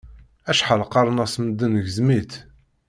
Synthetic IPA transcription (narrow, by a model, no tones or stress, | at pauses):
æʃħəlqɑɾˤnæsməd̪ːənəʝəzmit̪